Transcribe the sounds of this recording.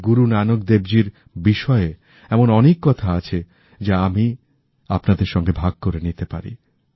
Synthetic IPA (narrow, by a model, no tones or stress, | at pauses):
ɡuɾunanok̚d̪ebd͡ʑiɾ | biʃɔe | ɛmonɔnekːɔt̪ʰaat͡ɕʰe | d͡ʑaami | apnad̪eɾʃɔŋɡebʱaɡ̚koɾenit̪epa̰ɾḭ